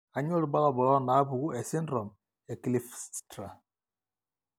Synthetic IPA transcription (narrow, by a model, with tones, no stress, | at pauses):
a˨ɲɔ˦lba˦lɔ˦˨bɔ˨lɔ˦na˨˦bu˨ɡu˦ʔɛ˨sɪ˦ndɾɔ˨m | ɛ˨ki˨li˨fstɾa˨